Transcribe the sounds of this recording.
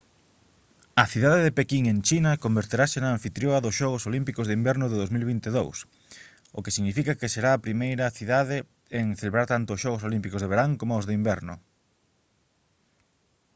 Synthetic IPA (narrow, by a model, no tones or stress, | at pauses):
ɐθiðaðeðepekiŋent͡ʃinɐkombeɾt̪eɾasenãːɱfit̪ɾjoɐðʊsʃɔɣ̞ʊsolimpikozðimbɛɾnʊðeɪðowzmilβ̞int̪eðows | o̰kesiɣnifikɐkeseɾaːpɾimejɾɐθiðaðe | eŋθeleβɾaɾt̪ant̪oːsʃɔɣos̬olimpikozðeβ̞eɾaŋkomoozðeimbɛɾnʊ̰